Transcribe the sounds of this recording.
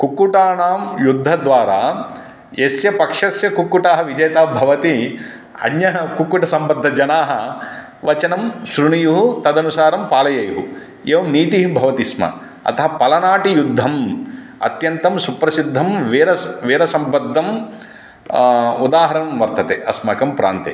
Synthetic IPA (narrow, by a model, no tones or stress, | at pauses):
kukːuʈaːɳaːmjud̪ʱːɐd̪ʋaːɾaː | jesjɐpɐkʂɐsjɐkukːuʈaːɦɐʋid͡ʒɐjɐt̪aːbʱɐʋɐt̪i | ɐ̰njɐɦɐkukːuʈɐsɐmbɐd̪ʱːɐd͡ʒɐnaːɦɐ | ʋɐt͡ʃɐnɐmsɾuɳijuɦut̪ɐd̪ɐnusaːɾɐmpaːlɐjɐjuɦu | eːʋɐmniːt̪iɦibʱɐʋɐt̪ismɐ̰ | ɐ̰t̪ɐɦɐpɐlɐnaːʈijud̪ʱːɐm | ɐ̰t̪jɐnt̪ɐmsupɾɐsid̪ʱːɐmʋeːɾɐʋeːɾɐsɐmbɐd̪ʱːɐm | ud̪aːɦɐɾɐɐmʋɐɾt̪ɐt̪eːʔɐsmɐkɐmpɾa̰ːnt̪ḛ